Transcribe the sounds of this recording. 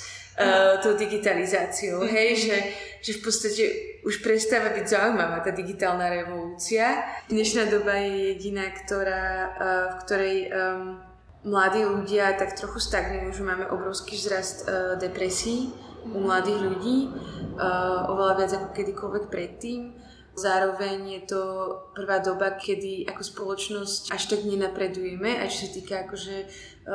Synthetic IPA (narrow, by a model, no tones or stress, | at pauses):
t̪ɔʊd̪iɡit̪alizaːt͡sioʊɦɛjʒɛ | ʒ̥ɛfpɔt̪st̪acɛʔuʃpɾɛst̪aːʋabiɟzaujmaʋaːt̪aːd̪iɡit̪aːlˠnaɾɛʋɔluːt͡siad̪̥ɲɛʃnaːd̪ɔbajɛjɛɟinaːkt̪ɔɾaːfkt̪ɔɾɛj | mlad̪iːluɟɪat̪akt̪ɾɔxust̪aɡnujuʒɛmaːmɛʔɔbɾɔʊskiːzɾast̪d̪ɛpɾɛsiːumlad̪iːɣʎuɟiː | ʔɔ̰ʋɛlaʋɪad͡zakɔ̥kɛd̪ikɔlʋɛk̚pɾɛt̪ːiːm | zaːɾɔʋɛɲjɛt̪ɔpr̩ʋaːd̪ɔbakʰɛd̪iʔakɔspɔlɔt͡ʃnɔscʔaʃt̪aɡɲɛnapɾɛd̪ujɛmɛʔa̰t͡ʃɔ̥sat̪iːkaakɔʒɛ